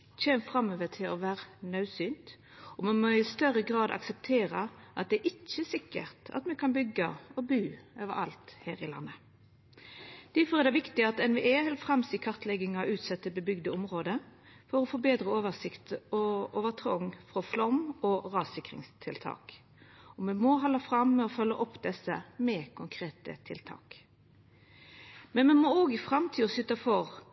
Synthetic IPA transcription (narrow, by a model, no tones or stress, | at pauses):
çɛːmfʁɑmːøːʋət̪ʰɪlɔʋæːʁənœʉsyːnt̪ | ɔmɑnmoɪst̪œɾːəɡʁɑːd̪ɑ̰ksɛp̚t̪ʰeːɾəʔɑt̪̚d̪ɛæʔɪt͡ʃːəsɪkːə̰ʁt̪ɑ̰t̪mɛkʰɑnbʏɡːəɔbʉːøːʋə̰ɾɑ̰lt̪heːɾɪlɑ̰nːə | d̪̥æfɔɾɛd̪ɛʋɪkt̪ɪɑt̪ɛnʋɪʔɛhɛlfʁɑmsɪkʰɑʁt̪lɛɡɪŋɑʉːt̪sɛt̪ːəbəbʏɡd̪əʊmʁoːd̪ə | fɔɾɔfoːbeːd̪ɾəoːʋəsɪkt̪ɔoːʋət̪ʰʁɔ̰ŋfʁɔflɔmɔʁɑːsɪkʁɪ̰ŋst̪ʰɪlt̪ʰɑ̰ːk | ɔmɛnmɔɦɑlɑfɾɑmːɛɔfœlːəʔɔpːd̪ɛsəmɛkʰʊŋkʰʁeːt̪ə̰t̪ʰɪlt̪ʰɑ̰ːk | mɛnmɛnmɔoːɡɪfʁɑmt̪ʰiːɔsʏt̪ɑfɔʁ